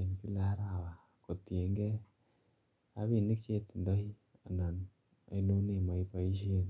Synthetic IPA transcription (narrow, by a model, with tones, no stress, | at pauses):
e˨nki˦la˨˦ɾa˨wa˨ | ko˨t̪i˨e˨ŋɡe˦ | a̰˦βi˨ni˦kt͡ʃe˦t̪nd̪ɔ˦hi˦ | a˨na˨n | a̰˨i˦lo˦ne˦˨ma˨i˦pa˨˦i˦ʃ̬e˦n